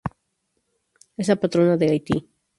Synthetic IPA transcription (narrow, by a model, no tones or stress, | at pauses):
eslapat̪ɾo̞naðeajt̪ḭ